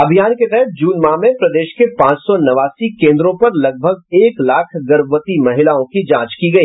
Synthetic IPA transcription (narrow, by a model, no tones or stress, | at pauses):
ɐbʱijaːnket̪ɛɦɛt̪̚ʰd͡ʒuːnmamẽpɾɐd̪eːʃkepãːt͡ʃsɔnɐʋaːsikẽːnd̪ɾõpɐɾlɐɡ̚bʱəɡ̚eːklaːkʰɡɐɾʋət̪imɐɦɪlaːõkid͡ʒãːt͡ʃkiɡɐiː